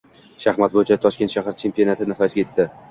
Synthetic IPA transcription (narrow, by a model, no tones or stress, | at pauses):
ʃahmat̪̚bojt͡ʃʰat̪ʰɒʃkʲe̞nt̪ʃaɦaɾt͡ʃʰe̞mpio̞nat̪ʰɪnɪfasɡʲajet̪ʰːɪ